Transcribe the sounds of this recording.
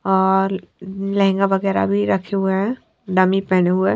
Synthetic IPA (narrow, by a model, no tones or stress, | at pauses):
ɔːɾlɐɦɛ̃ŋɡaʋɐɡɛːɾa̰bʱiɾɐkʰeɦueɦɛ̃ | ɖamipɛɦneɦue